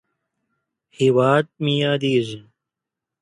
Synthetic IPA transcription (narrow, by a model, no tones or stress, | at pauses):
hiwaːt̪̚mijaːd̪iːzin